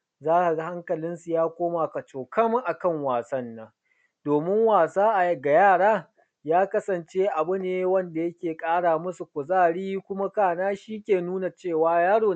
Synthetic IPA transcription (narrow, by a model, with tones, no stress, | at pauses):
zaː˦ha˨ɡa˨ha˦ŋkɐ˨lɪ˦nsu˨jaː˦kʷoː˦maː˨ka˨t͡ʃoː˨kɐ˦mʔa˨kɐ˦˨ŋwaː˨sɐ˦nːa˦ | d̥oː˨mɪ˦ŋwaː˨saː˦ʔa˨˦ɡa˨jaː˦˨ɽaː˦ | jaː˦kɐ˦sɐ˨nt͡ʃe˦ʔa˨bʊ˦neː˦wɐ˦nda˨jɐ˦kʲeː˨kʼaː˦ɽaː˨mʊ˦su˨kʷʊ˨zaː˦˨ɽiː˦kʷʊ˦ma˦kaː˦˨naː˦ʃiː˦kʲeː˨nuː˦na˨t͡ʃeː˦˨waː˦jaː˦ɽoː˨